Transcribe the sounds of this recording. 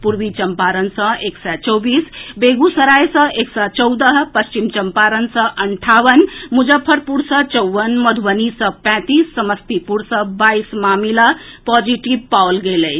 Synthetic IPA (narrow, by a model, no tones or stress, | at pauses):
puɾʋit͡ʃəmpaɾənsʌ̃eksɛt͡ʃɔwbiːsbeɡusəɾajsə̃eksat͡ʃəwd̪əɦpəst͡ʃimt͡ʃəmpaɾənsʌ̃ʔəɳʈʰaʋənmud͡ʒəpʰːəɾpuɾsə̃t͡ʃəwʋənməd̪ʱʋənisə̃pɛ̃t̪isːəməst̪ipuɾsə̃baismamilapɔd͡ʒiʈibpawlɡeləj